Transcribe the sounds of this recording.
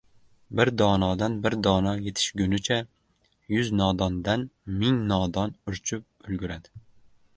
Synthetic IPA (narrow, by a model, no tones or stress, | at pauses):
bɪɾd̪ɒːnɒd̪anbɪɾd̪ɒːnɒjet̪ʰɪ̥ʃɡʲʊnɪt͡ʃʰa | jʊznɒd̪ɒnd̪anmɪŋnɒd̪ɒnʊɾt͡ʃʰʊp̚ | ʊlɡʲʊɾad̪ɪ